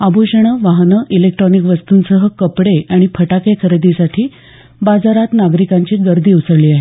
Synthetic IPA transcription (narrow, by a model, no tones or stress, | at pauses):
abuɕəɽ̃əʋaɦnəʔilek̚ʈɾɔnikʋəst̪uːnsəɦəkəpɽeʔaɽ̃ipʰəʈakekʰəɾəd̪isaʈʰiː | bad͡zaɾat̪naɡɾikaɲt͡ɕiɡəɾd̪ʱiːusəɽliːaɦe